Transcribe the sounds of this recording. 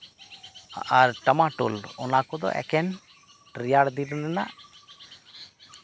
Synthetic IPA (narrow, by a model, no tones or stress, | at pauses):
aʔaɾʈəmaʈṵlɔnakɔd̪ɔ̰ʔɛ̰kɛn | ʈɾijaɽd̪iɾnɛna̰ʔ